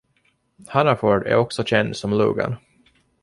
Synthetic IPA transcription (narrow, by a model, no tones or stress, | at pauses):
hanafɔɖæ̰ɾɔksɔɕɛnd̪sɔmlṵːɡa̰n